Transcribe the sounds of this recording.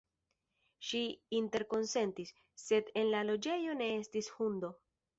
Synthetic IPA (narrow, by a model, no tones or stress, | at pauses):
ʃiinte̞ɾko̞nse̞ntisː | e̞de̞nlalo̞d͡ʒe̞jo̞ne̞e̞stishundo̞